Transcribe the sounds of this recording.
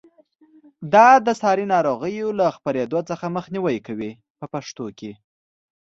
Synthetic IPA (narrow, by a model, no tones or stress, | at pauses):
d̪ɑd̪əsɑɾinɑɾoɣəjolaxpaɾed̪ot͡səxaməxniwəjkawi | pəpaʂt̪oke